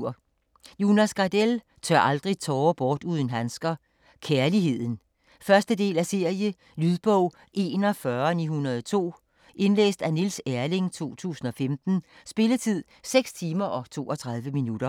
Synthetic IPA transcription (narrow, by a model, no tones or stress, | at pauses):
ɐ̰ | junæsɡ̥ɑ̈d̥el | t͡sʰœɐʔɑ̈ld̥ʁit͡sʰɒːb̥ɒːd̥uð̞ˠn̩ɦænsɡ̥ɐ | kʰæɐliɦe̝ð̞̰ˠn̩ | fɶɐsd̥əde̝̰ːlæse̝ɐ̰jə | lyðˠb̥ɔʊ̰ | ʔe̝̰ːnɒfɶɐnḭːhunɐðˠt͡sʰo̝̰ː | ʔe̝nlḛːsd̥ænilsæɐle̝ŋt͡sʰo̝̰ːt͡sʰṵːsn̩ɒ̽femd̥n̩ | sb̥e̝lət͡sʰið̞̰ˠ | seɡ̥st͡sʰiːmɐʔɒ̽t͡sʰo̝̰ːɒ̽t͡sʰʁɑ̈ðˠʋəminud̥ɐ